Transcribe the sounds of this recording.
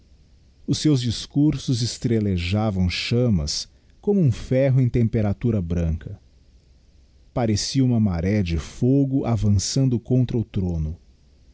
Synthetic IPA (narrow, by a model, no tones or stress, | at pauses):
ʊsewzd͡ʒiskuɾsʊzɪst̪ɾeleʒavɐ̃w̃ʃɐ̃mɐ̰s | kõmʊũfɛɦʊẽj̃t̪ẽmpeɾat̪uɾɐbɾɐ̃ŋkɐ | paɾesiɐũmɐmaɾɛɐd͡ʒɪfoɡʊʔavɐ̃sɐ̃nd̪ʊkõnt̪ɾɐʊt̪ɾõnʊ